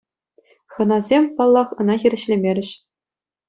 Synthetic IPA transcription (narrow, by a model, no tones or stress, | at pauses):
χɤ̆nɑzʲemʲpɑlˠːɑχɤ̆nɑxʲiɾʲɘ̆ɕlʲemʲeɾʲɘ̆ɕ